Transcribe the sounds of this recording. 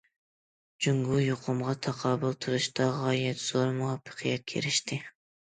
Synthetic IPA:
d͡ʒyŋɡujuqʰʊmʁɑt̪ʰɑqʰɑːbʊlˠt̪ʰɨɾɨʃt̪ɑʁɑjɛt̪z̥oɾmuɑpʰːɨ̥qʰijɛt̪̚kʲʰḛɾɪʃt̪ɪ

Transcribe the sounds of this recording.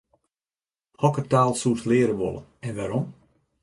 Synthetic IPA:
hɔkətaːlˠsutlɪːɾəʋo̰lˠə̰nɛnʋaːɾɔm

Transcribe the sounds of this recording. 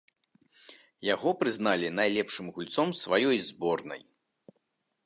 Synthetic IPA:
jaɣɔpɾɨzn̪alʲinajlʲɛpʂɨmɣulʲt̪sɔmsvajɔjzbɔrnɐ̰j

